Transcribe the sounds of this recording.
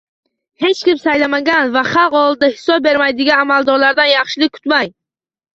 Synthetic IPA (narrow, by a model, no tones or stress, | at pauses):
he̞t͡ʃkʲimsajlamaɡʲanvaχɑlˠqɒlˠɪd̪ahɪ̥sɒb̚be̞ɾmajd̪ɪɡʲanamalˠd̪ɒɾlaɾd̪anjɑχʃɪlɪk̚kʰʊ̥t̪maj